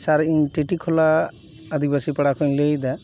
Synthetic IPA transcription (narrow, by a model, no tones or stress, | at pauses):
saɾiɲʈiʈikʰɔlaː | d̪ʱik̚basipaɽakʰɔɲlejd̪a